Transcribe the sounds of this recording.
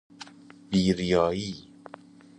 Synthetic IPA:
biːɾijɒːjiː

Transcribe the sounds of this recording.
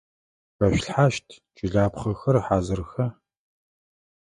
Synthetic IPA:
rɐʃɬħaːʃtʰ | t͡ʃʼɪɮaːpχɐxɐrħaːzɨrxɐ

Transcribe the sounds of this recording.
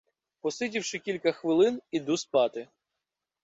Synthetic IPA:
pɔsɪtʲiwʃɪkʲilʲkɐxʋɪlˠɪnid̪uspɑt̪ɪ

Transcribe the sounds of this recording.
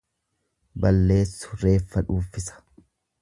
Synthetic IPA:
bɐlːe̞ːsːʊ̥ɾe̞ːfːɐᶑuːfɪsɐ̥

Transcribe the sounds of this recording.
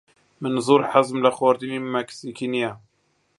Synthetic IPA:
mənzˤuɾħazmlaxwɑɾˤd̪inimæksikinja

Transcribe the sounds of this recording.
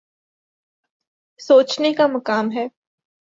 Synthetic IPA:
soːt͡ʃnekamɐkaːmɦɛː

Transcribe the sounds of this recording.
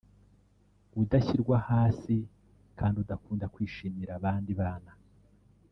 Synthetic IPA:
udaçiɾɡwahaːsi | kʰaːndiudakuːndakwiːʃiːmiɾaβaːndiβaːna

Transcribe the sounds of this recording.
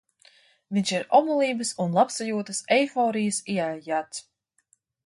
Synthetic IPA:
vinʲʃiɾɔbulˠiːbəsunlˠapsajuːɔt̪əsɛjfɔːɾijəsiajat̪s

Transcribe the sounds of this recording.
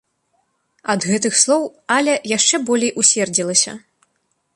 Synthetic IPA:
ɐd̪ɣɛt̪ɨxslˠɔwalʲɐjaʂt͡ʂɛbɔlʲejʔusʲvʲɛrd͡zʲilˠɐsʲɐ̰

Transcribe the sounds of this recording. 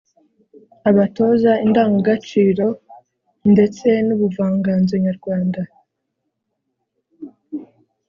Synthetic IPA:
aβato̞zaindaːŋɡoɡat͡ʃiːɾo̞ | nde̞t͡se̞nuβuvaːŋɡaːnzoɲaɾɡwaːnda

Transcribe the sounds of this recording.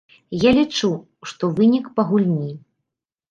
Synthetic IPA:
jalʲit͡ʂu | ʂt̪ɔvɨnʲikpɐɣulʲnʲi

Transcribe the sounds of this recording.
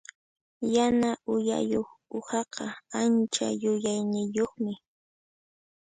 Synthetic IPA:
janaʔʊja̰joχʊhɑqɑant͡ʃa̰jʊjajnɪjoχmɪ

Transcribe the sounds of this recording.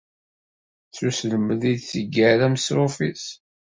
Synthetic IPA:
θusləməðid̪θəɡːæɾæmsɾʊfis

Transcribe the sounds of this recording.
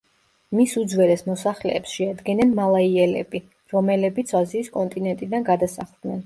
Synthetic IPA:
misud̪zwɛlɛsmɔsaχlɛːpsʃɛad̪ɡɛnɛnmalˠaiɛlɛ̰bi | ɾɔmɛlɛbit̪sʰaziːskʼɔnt̪ʼinɛnt̪ʼid̪anɡad̪asa̰χlˠd̪nɛn

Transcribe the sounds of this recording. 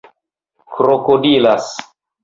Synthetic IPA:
kɾokodilas

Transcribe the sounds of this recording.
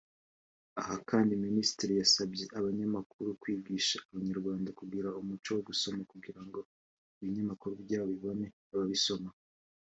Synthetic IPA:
ahakaːndiminisi̥tiɾijasabje̞ʔaβaɲamakuɾukwiːbɡiːʃaːβaɲaɾɡwaːndakuɡiɾaumut͡ʃo̞woɡuso̞makuɡiɾaŋɡo̞ | iβiɲamakuɾubɟaːββiβo̞ne̞ | aβaβiso̞ma

